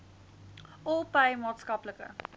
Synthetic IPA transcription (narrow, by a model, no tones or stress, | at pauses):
ɔlˠpeɪmɑːtskɐpləkə̰